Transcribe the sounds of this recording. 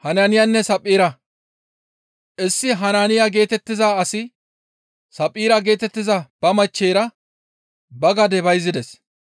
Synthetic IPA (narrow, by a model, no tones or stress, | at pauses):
hɐnaːnɪjanːɛsɐpʼːiːɾɐ | ʔɪsːɪɦɐnaːnɪjaɡe̞ːt̪ɛt̪ːɪzaːsɪ | sɐpʼːiːɾɐɡe̞ːt̪ɛt̪ːɪzɐb̥ɐmɐt͡ʃːeːɾɐ | bɐɡɐd̪ɛbɐjzɪd̪ɛs